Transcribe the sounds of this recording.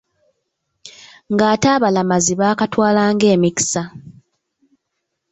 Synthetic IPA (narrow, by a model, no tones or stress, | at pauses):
ŋɡaːtaːβalamaziβaːkatwaːlaːŋɡe̞ːmiki̥sa